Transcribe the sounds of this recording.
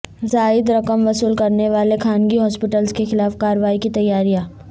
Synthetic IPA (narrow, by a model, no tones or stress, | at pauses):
zaːɪd̪ɾɐkəmʋɐsuːlkɐɾneʋaːlekʰaːnɡiɦɔːspɪʈəlzkexɪlaːfkaːɾəʋaːikit̪ɐjːaːɾijãː